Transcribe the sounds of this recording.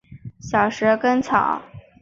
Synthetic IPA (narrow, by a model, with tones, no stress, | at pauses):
ɕjɑ˨˩ʊʂɻ̩˧˥kə˥nt͡sʰɑ˨˩˦ʊ